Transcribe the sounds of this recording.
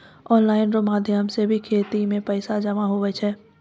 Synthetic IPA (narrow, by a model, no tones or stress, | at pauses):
ɔːnlaːɪnɾomaːd̪ʱjəmsebʱikʰeːt̪imẽpɛɪsad͡ʒɐmaɦoʋɛt͡ʃʰɛː